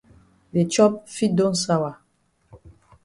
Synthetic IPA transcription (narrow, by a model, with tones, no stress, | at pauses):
de˨t͡ʃɔ˦p̚fi˦dõ˦nsa˦wa˨